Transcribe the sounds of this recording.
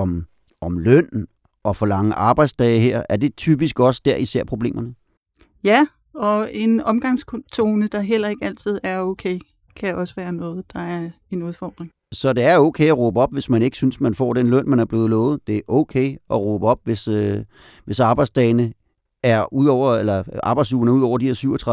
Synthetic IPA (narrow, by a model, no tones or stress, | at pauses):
ɒ̽m | ʔɒ̽mlœn̰n | ʔɒ̽fɒlɑ̈ŋəʔɑ̈ːb̥ɑ̈ɪd̥sd̥ɛːɪɦeɐ̰æɐd̥e̝t͡sʰyb̥isɡ̥ɒ̽səd̥æɐisæɐ̰pʰʁo̝b̥le̝̰ːmɐnə | jæ | ɒ̽e̝nɒ̽mɡ̥ɑ̈ŋ̰skʰot͡sʰo̝ːnəd̥ɑ̈ɦel̰ɐe̝ɡ̥æl̰t͡sʰið̞̰ˠæɐoʊkʰeɪ | kʰæʔɒ̽səʋæːɐnɔ̽ːð̞̩ˠd̥ɑ̈æɐ | e̝nuðˠfɒ̰ːd̥ʁeŋ | sɒ̽d̥e̝æɐoʊkʰeɪɒʁɔːb̥əɒ̽b̥ʋe̝smæne̝ɡ̥əsynsmænfɒ̰ːd̥enlœn̰mænæɐb̥le̝ːð̩ˠlɔːð̩ˠd̥e̝ʔokʰeɪʔɒ̽ʁɔːb̥əɒ̽b̥ʋesø | ʋe̝sɑ̈ːb̥ɑ̈ɪdsd̥ɛɪnə | æɐuð̰ˠɒʊ̰ɐelɐʔɑ̈ːb̥ɑɪ̥suːɐnəuðˠɒ̰ʊ̰ɐd̥iheɐsyʊ̰ɐt͡sʰʁɑ